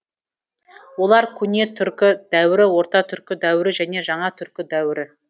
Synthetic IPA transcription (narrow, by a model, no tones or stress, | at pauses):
wo̞lˠɑɾkʲʰʏne̞t̪ʰʏɾkʲɪd̪̥æwɪɾɪwo̞ɾt̪ɑt̪ʰʏɾkʲɪd̪æwɪɾɪʒæne̞ʒɑɴɑt̪ʰʏɾkʲɪd̪æwɪɾɪ